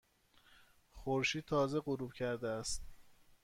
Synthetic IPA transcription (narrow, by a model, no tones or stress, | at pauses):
xoɾʃiːd̪̚t̪ʰɒːze̞ɢoɾubcʰæɾd̪eæst̪